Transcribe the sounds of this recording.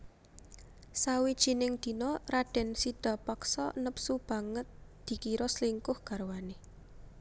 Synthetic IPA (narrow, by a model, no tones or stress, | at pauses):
sawid̥ʒ̥i̤nɪŋd̪̥i̤nɔraɖ̥ɛ̤nsiɖ̥a̤paksɔ̰nəpsub̥ä̤ŋət̪̚d̪̥i̤kiɾɔsliŋkʊhɡ̥a̤ɾwane